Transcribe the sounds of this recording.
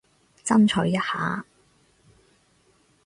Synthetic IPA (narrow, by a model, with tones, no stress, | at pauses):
t͡sɐ˥nt͡ʃʰɔ˨˧jɐ˥t̚haː˨˥